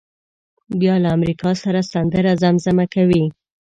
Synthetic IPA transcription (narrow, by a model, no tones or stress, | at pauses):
bjɑlaːmɾikɑsaɾasand̪əɾazamzamakawi